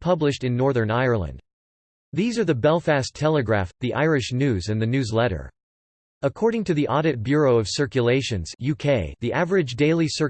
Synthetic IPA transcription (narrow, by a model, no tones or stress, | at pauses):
pʰʌblɨʃtɨ̃nːɔɹðə̃˞naɪə˞lˠə̰̃nd̥ | ðizə˞ðɨbɛlˠfæstʰɛlˠɨɡɹæ̰fðiʔa̰ɪɹɨʃnʉzɨ̃nðɨnʉzlɛɾə̰˞ | əkʰɔɹɾɪ̃ŋtɨðiʔɑɾɨt̚b̥jʊɹoʊʌv̥sɜ˞kjɨleɪʃɨ̃nz̥jʉkʰeɪðiʔævə˞ɨd͡ʒdeɪlˠisɜ˞